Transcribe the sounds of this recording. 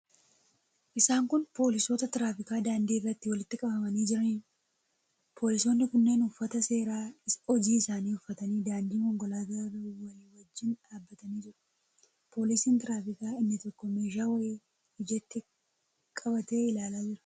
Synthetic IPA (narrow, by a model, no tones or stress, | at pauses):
ʔɪsaːŋkʊnpo̞ːlɪso̞ːt̪ɐt̪ɪɾaːfɪkaːd̪aːnd̪iːrːɐt̪ːɪwɐlɪt̪ːɪkʼɐbɐmɐniːd͡ʒɪɾɐniː | pʰo̞ːlɪso̞ːnːɪkʊnːe̞ːnʊfːɐt̪ɐse̞ːɾaːɪɔd͡ʒiːɪsaːniːʊfːɐt̪ɐniːd̪aːnd̪iːŋhɔŋɡɔlaːd̪ɐrɐwɐjwɐd͡ʒːɪnᶑaːbːɐt̪ɐniːd͡ʒɪɾɐ̥ | po̞ːlɪsiːnt̪ɪɾaːfɪkaːɪnːɪt̪ɔkːɔmeːʃ̬aːwɐe | hɪd͡ʒɛt̪ːɪ | kʼɐbɐt̪e̞ːɪlaːlaːd͡ʒɪɾɐ̥